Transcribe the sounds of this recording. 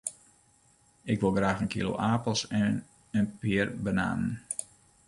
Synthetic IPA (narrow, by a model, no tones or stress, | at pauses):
ɪkʋɪlˠɡraːxənkʰḭlo̰ʔaːpəlˠsɛn | ənpɪərbəna̰ːnən